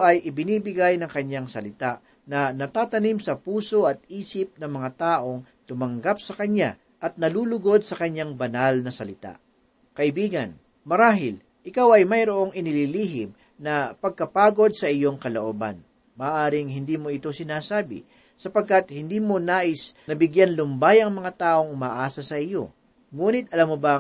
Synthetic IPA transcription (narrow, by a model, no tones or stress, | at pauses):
ʔɐjʔɪbɪniːbɪɡajnɐŋkɐɲːaŋsɐlɪt̪aʔ | nɐnɐt̪aːt̪ɐnimsɐpuːso̞ʔɐt̪̚iːsɪp̚nɐŋmɐŋat̪aːʔo̞ŋ | t̪ʊmɐŋɡap̚sɐkɐɲːa | ʔɐt̪̚nɐluːlʊɡo̞d̪̚sɐkɐɲːaŋbɐnalnɐsɐlɪt̪a̰ʔ | kɐʔɪbiːɡɐn | mɐɾaːɦɪl | ʔɪkawɐjmɐjɾoʔo̞ŋʔɪnɪliliːɦɪm | nɐpɐɡ̚kɐpaːɡo̞d̪̚sɐʔɪjo̞ŋkɐlo̰ʔoːbɐ̰n | mɐːʔaːɾɪŋɦɪnd̪iːmo̞ɪt̪o̞sɪnaːsaːbɪ̰ | sɐpɐɡ̚kat̪̚hɪnd̪iːmo̞naːʔɪsnɐbɪɡjanlʊmbajʔɐŋmɐŋat̪aːʔo̞ŋʔʊmaːʔaːsɐsɐʔɪjo̞ | ŋuːnɪt̪ʔɐlamːobɐ